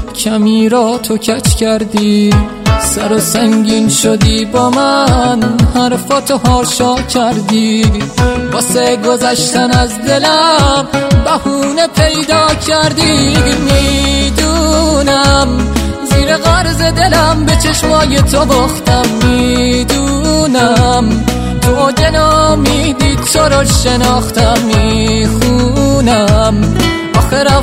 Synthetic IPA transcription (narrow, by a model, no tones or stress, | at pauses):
cʰæmiːɾɒt̪ʰo̞cʰæt͡ʃʰcʰæɾd̪iː | sæɾosæŋɟiːnʃod̪iːbɒːmænhæɾfɔt̪ʰohɒːɾʃɒːcʰæɾd̪iː | bɒːseɡozæʃt̪ænæzd̪e̞læmbæhuːnepʰe̞jd̪ɒːcʰæɾd̪iːmid̪unæmziːɾeɣæɾzed̪e̞læmbet͡ʃʰeʃmɒːjet̪ʰobɔxt̪ʰæmːid̪unæm | d̪ʰod͡ʒ̪enɔːmid̪it͡ʃʰoɾɔʃenɒːxt̪ʰæmːixunæm | ʔɔːxeɾæ